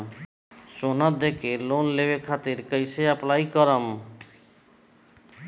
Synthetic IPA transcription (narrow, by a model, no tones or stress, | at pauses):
sonad̪ekeloːnleʋekʰat̪ɪɾkəjseəplaːikəɾəm